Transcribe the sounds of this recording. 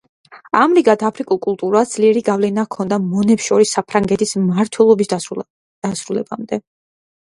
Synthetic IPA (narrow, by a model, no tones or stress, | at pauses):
amɾiɡat̪ʰapʰɾikʼulˠkʼulˠt̪ʼuɾad̪zliɛɾiɡavlɛnakʰɔnd̪amɔnɛpsʃɔɾisːapʰɾaŋɡɛt̪ʰismaɾt̪ʰwɛlˠɔbis | d̪̥asɾulɛbamd̪ɛ